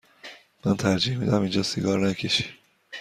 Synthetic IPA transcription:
mænt̪ʰæɾd͡ʒiːhmid̪æmind͡ʒɒːsiɡɒːɾnæcʰeʃi̥

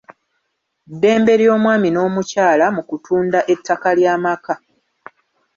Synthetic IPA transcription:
dːe̞ːmbe̞ɾjo̞ːmwaːmino̞ːmucaːlamukutʰuːndaʔe̞tːakaljaːmaka

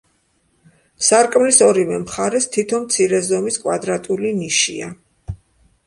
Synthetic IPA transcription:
saɾkʼmlisɔɾivɛmχaɾɛst̪ʰit̪ʰɔmt̪sʰiɾɛzɔmiskʼwad̪ɾat̪ʼuliniʃḭa

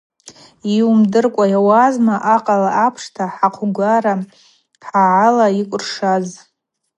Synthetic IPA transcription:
iumdɨrkʷʼajawazmaʔaqʼalaʔapʰʂtʰaħaqʷʰɡʷaɾa | ħaʕalaikʷʼʊrʂaz

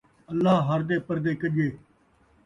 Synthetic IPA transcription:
əlːaːɦəɾd̪eːpəɾd̪eːkəd͡ʒeː

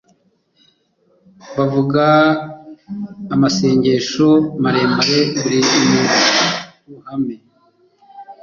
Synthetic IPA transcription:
βavuɡa | mase̞ːɲɟe̞ʃomaɾe̞ːmbaɾeβuɾiːmu | kuhame

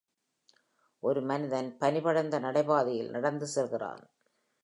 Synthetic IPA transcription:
ʔɔɾɯmɐnɪðɐnpɐnɪbɐɽɐnd̪ɐnɐɽɐɪbaːðɪjɪlnɐɽɐnd̪ɯsɛlɣɪra̰ːn

